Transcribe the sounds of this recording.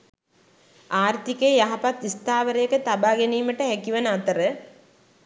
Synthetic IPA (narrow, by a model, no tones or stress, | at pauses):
aːrt̪ikeːjaɦapat̪ist̪aːʋəɾəjəkət̪abaːɡeniːməʈəɦækiʋənəat̪əɾə